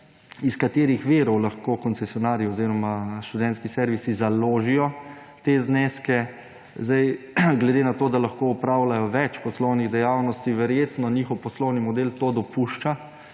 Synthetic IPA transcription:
iskat̪eːɾixʋeːɾɔwlaxkoːkɔnsɛsijɔnaːɾiɔziːɾɔmaʃt̪ud̪ɛnt̪skisɛɾʋisizaloːʒijɔ | t̪eːzneskɛ | zd̪ajɡlɛd̪enat̪oːd̪alaxkoupɾaːwlajɔʋɛt͡ʃpɔslɔwniɣd̪ɛjawnɔst̪iʋɛɾjeːt̪nɔniːxɔwpɔslɔwnimɔd̪elt̪od̪ɔpuʃt͡ʃa

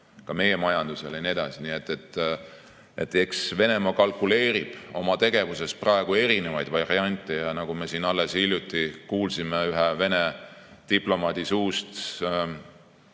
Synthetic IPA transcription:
kɑme̞je̞mɑjɑnd̪̥use̞lenie̞d̪ɑsinie̞t̪ːˑe̞t̪ː | e̞t̪ːˑe̞ksve̞nemɑkɑlkule̞ːɾib̥o̞̰mɑt̪e̞ɡe̞vuse̞sprɑeɡ̥ue̞ɾine̞vɑjd̪̥vɑriɑnʲt̪ːˑe̞jɑnɑɡ̥ume̞siːnɑlːe̞silʲjut̪ːˑikuːlsimeyɦeve̞ne̞t̪iplo̞mɑd̪̥isuːst̪

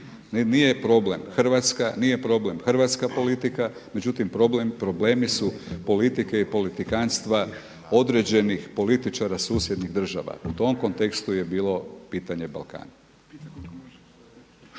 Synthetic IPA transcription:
nijepɾo̞ble̞mxr̩ʋat̪skanije̞pɾo̞ble̞mxrʋat̪skapo̞lit̪ikame̞d͡ʑut̪impɾopɾo̞ble̞ːmisupo̞lit̪ike̞ipo̞lit̪ikanst̪ʋa | o̞d̪ɾe̞d͡ʑe̞nixpo̞lit̪it͡ʃaɾasuːsjed̪niɣd̪r̩ʒa̰ʋa̰ut̪o̞mko̞nt̪e̞kst̪uje̞biːlo̞piːt̪aɲe̞ba̰lˠka̰ːna

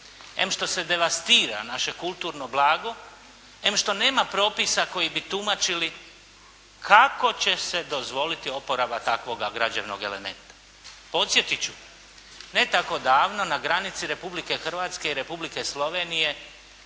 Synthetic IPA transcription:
ḛmʃt̪o̞se̞d̪e̞ʋast̪iːɾa̰naʃe̞kulˠt̪uːɾnoblˠaːɡo̞ | emʃt̪o̞ne̞ːmapɾo̞pisako̞jibit̪umat͡ʃili | kʰako̞t͡ɕe̞se̞d̪o̞zʋo̞lit̪io̞po̞ɾabat̪akʋo̞ɡaɡɾad͡ʑeʋno̞̰ɡe̞̰le̞̰me̞̰nt̪ḁ | po̞t̪sje̞t̪it͡ɕu | ne̞t̪ako̞d̪aːʋnonaɡɾanit̪siɾe̞publike̞xr̩ʋaːt̪ske̞iɾe̞publike̞slo̞ʋe̞ːnije̞

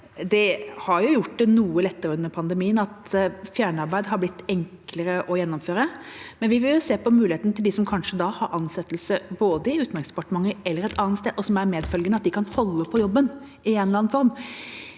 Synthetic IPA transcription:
d̪ɛhɑɾjʊjʊʈːd̪ɛnuːəlɛt̪ːəɾəʉnːəɾpʰɑnd̪əmiːənɑt̪fjæːɳəɑɾbæɪd̪ɦɑɾblɪt̪ːɛŋkləɾəʔɔjɛnːɔmføːɾəmɛnʋɪʋɪljʊseːpɔmʉːlɪheːt̪nət̪ɪld̪ɪsɔmkʰɑnʂəd̪ɑhɑɾʔɑnsɛt̪ːlsəboːd̪əɪʉːt̪nɛɾɡsd̪əpɑʈəmɑŋːəɛlːəɾɛt̪ʰɑːnt̪st̪eːd̪ɔsɔmæɾmeːd̪fœlɡənəɑt̪̚d̪ɪkʰɑnhɔlːəpʰɔjɔbːən | ɪɛːnlɑːnfɔɾm

